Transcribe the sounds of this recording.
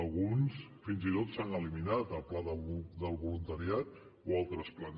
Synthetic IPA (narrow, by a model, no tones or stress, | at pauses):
lˠɣunsfinzit̪ot̪sanəliminat̪əlplaðəd̪əlˠβulunt̪əɾiat̪ | oalˠt̪ɾəsplan